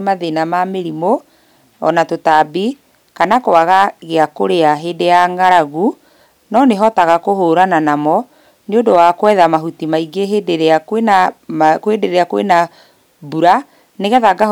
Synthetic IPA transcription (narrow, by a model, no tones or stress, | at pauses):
maðenamameɾimo | ɔ̰natotabi | kanakowaɣaɣeakoɾeaɦedejaŋɡaɾaɣu | nɔneɦɔtaɣakohoːɾananamɔ | neodowakwɛðamaɦutimaiɡeɦedeɾakenakoedeɾeɾeakowḛna | buɾa | neɣɛðaɡa